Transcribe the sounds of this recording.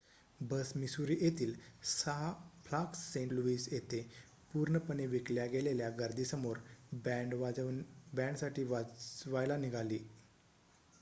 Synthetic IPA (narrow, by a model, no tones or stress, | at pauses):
bəsmisuɾiːʔjet̪iːlsapʰlaksːeɳluʋiːsjet̪e | puɾɳəpəɳeʋikljaɡeleljaɡəɾd̪ʱiːsəmoɾɖ | bɛ̃ɳɖsaʈʰiːʋaʋajlaniɡʱaliː